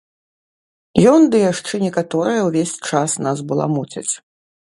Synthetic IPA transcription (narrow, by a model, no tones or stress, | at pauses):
jɔnd̪ɨjaʂt͡ʂɛnʲɛkat̪ɔɾɨjɐwvʲesʲt͡ʂasnazbɨlˠa̰mut͡sʲɐ̰t͡sʲ